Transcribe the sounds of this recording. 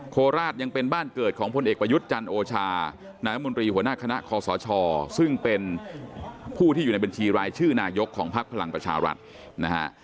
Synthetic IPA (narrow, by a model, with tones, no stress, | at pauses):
kʰoː˧ɾaː˥˩t̪̚ja˧ŋpe˧nbaː˥˩nkɤː˨˩t̪̚kʰɔː˩˦ŋpʰo˧nʔeː˨˩k̚pɾa˧ju˦˥t̪̚t͡ɕa˧nʔoː˧t͡ɕʰaː˧ | naː˧ja˥mo˧nt̪ɾiː˧hu˩˦ənaː˥˩kʰa˧na̰˦˥ʔkʰɔː˧sɔː˩˦t͡ɕʰɔː˧sɯ˥˩ŋpe˧n | pʰuː˥˩t̪ʰiː˥˩juː˨˩a˧jba˧nt͡ɕʰiː˧ɾaː˧jt͡ɕʰɯː˥˩naː˧jo˦˥kʰːɔː˩˦ŋpʰa˦˥k̚pʰa˧la˧ŋpɾa˧t͡ɕʰa̰ː˧ɾa̰˦˥t̪̚ | na˦˥ka̰˦˥ʔ